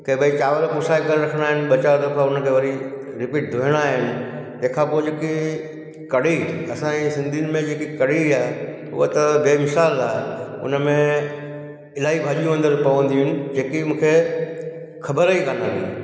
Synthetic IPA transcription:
keːbəit͡ɕaːʋəɾkʊsaːikɐɾɾɐkʰəɽ̃aːɦɪnɪ̆ɓɐt͡ɕaot̪ɐfaʊnəkʰeːʋɐɾi | ɾɪpiːʈ̚d̪ʱoɦɪəɽ̃aːɦɪnɪ̆ | t̪ɐ̃ɦɪ̃kʰãːpoːɪd͡ʑeːki | kɐɽiɐsãĩsɪ̃nd̪ʱijnɪ̆mẽd͡ʑeːkikɐɽiaːɦe | ʊ̰ət̪ɐd̪eːmɪsaːlaːɦɪʊ̰nəmẽ | ɪlaːɦibʱaːʄijũə̃nd̪əɾpɐʋə̃nd̪iʊɦʊɪnɪ̆d͡ʑeːkiʊ̃ũːkʰe | xʰɐbəɾəikãːnãːdḭ

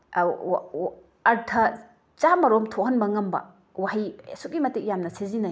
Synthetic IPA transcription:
ɾtʰɐ | t͡ʃamɐɾomtʰohɐnbɐŋɐmbɐ̰ | wahisuk̚ɡimɐtek̚jamnɐsezinaj

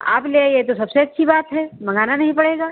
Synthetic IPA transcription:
a̰ːpleːjet̪̬osɐbseɐtːʃʰibaːt̪ɦɛːmɐ̃ŋɡaːnanɐɦĩpɐɽeːɡaː

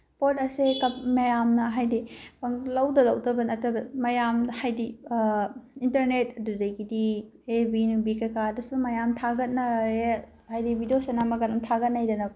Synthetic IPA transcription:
potɐsekɐmɐjamnɐɦajdipɐŋlɐwdɐlɐwdɐbɐnɐtɐbɐmɐjamhajdi | intɐɾnet̚ɐdudɐjɡidi | ebinubikɐjkadɐsumɐjamtʰaɡɐt̚nɐɾe | hajdibʱidijosenamɐɡɐnɐmtʰaɡɐt̚najdɐnɐ

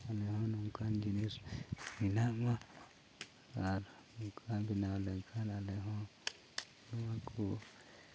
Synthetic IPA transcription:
aleɦõnũŋkand͡ʒinĩsinãmã | aɾ | kʰambinãleŋkʰanaleɦõ | luwãkʰu

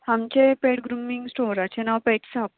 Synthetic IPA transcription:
hamt͡ɕepeʈɡɾumiŋɡsʈoɾat͡ɕenaʋpeʈsap

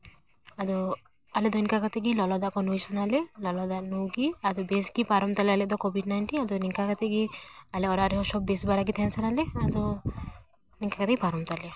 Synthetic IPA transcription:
ad̪ɔ | aled̪ɔinkakat̪ʰeɡilɔlɔd̪akɔnujsɔnalelɔlɔd̪anuɡiad̪ɔbesɡipaɾɔmt̪alɛalɛd̪ɔkɔbiɖnajɳʈinad̪ɔniŋkakat̪ʰeɡialeɔɾaɾiɦɔʃɔbbesbaɾaɡ̬it̪ʰɛnsanalead̪ɔ | niŋkakat̪ekipaɾɔmt̪ale

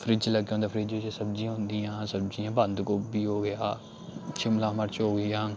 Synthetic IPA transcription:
fʰɾɪd͡ʒləɡõːnd̪aːfʰɾɪd͡ʒod͡ʒesəb̚d͡ʒĩãːɦʊ̃nd̪iːãːsəbd͡ʒiːãːbə̃nd̪koːbiːɦoːɡɪjaː | t͡ʃʰɪmlãːməɾt͡ʃɦoːɡəãː

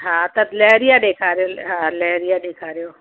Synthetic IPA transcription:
ɦãːt̪ɐb̪lɛːɾijaɖeːkʰaːɾeoɦãːlɛːɾijaɖeːkʰaːɾejoː

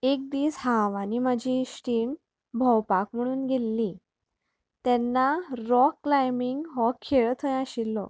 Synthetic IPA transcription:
ek̚d̪iːshãʋanimad͡ʑʱiɕʈin | bʱɔwpakm̤əɽ̃uːnɡʱelːi | t̪ɛnːaɾɔkːlajmiŋɡɦɔkʰːeɭt̪ʰəjaɕilːɔ̰

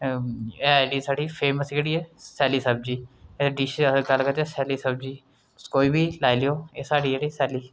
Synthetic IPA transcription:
eːaːjɖiːsaːɖiːpʰeːməsɡeɽiːɛːsɛːliːsəb̚d͡ʒiːeɖiːʃɡəlːkəɾt̪ɛːsɛːliːsəbd͡ʒiː | koːiːbiːlaːilejoːeːsaːɽiːeɽiːsɛːliː

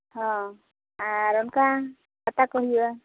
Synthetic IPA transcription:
hɔ̃ | aɾɔnka | kat̪akɔɦiua

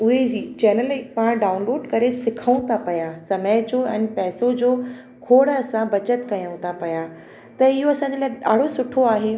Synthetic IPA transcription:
ʊɦet͡ɕɛːnəlɪkpaːɽ̃ɖaːʊ̃nloːɖkɐɾesɪkʰəũt̪ʰapɐjasɐməjd͡ʑoɛ̃ːnpɛːsod͡ʑoː | kʰoːɽɐsãbɐt͡ɕət̪kɐjəũt̪ʰapɐja | t̪ɐɪɦoɐsãːɲ̆d͡ʑelaːɪa̰ːɽ̤osʊʈʰoaːɦe

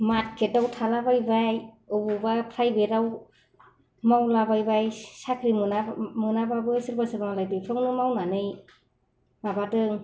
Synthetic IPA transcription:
mat̚ketawtʰalabajbaj | ɯbubapʰɾajbeɾaw | mawlabajbajsakʰɾimunamunababɯsɯɾbasɯɾaŋalajdɯjpʰɾɔŋnɯmawnanɯj | mabatɯŋ

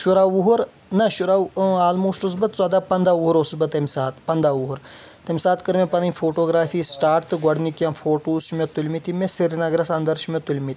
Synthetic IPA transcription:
ʃuɾaʋuɦuɾ | nɐʃuɾaaːlmoːʂʈus̬bɐt̪̚t͡sɐd̪aːpɐnd̪aːuɦuɾosubɐt̪ɐmʲsaːt̪pɐnd̪aʋuɦuɾt̪ɐmʲsaːt̪kɨɾmʲepɐnɐnʲfʰoːʈoːɡɾaːfiːsʈaːɾt̪ɨɡɐɖnikʲjanfʰoːʈoːsumʲɐt̪ulʲmit̪imesiɾinɐɡɾɐsɐnd̪ɐɾʃumʲɐt̪ulʲmit̪ʲi

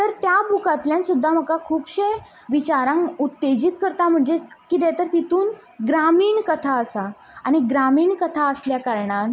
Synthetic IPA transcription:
t̪əɾt̪jabukat̪ljãnsud̪ʱːam̤əkakʰuːpɕe | ʋit͡ɕaɾãŋɡut̪ːed͡ʑiːt̪̚kəɾt̪am̤əɳd͡zekid̪ɛ̃t̪əɾt̪it̪uːn | ɡɾamiːɳkət̪ʰaəsa | aɽ̃iɡɾamiːɳkət̪ʰaəsljakaɾɳan

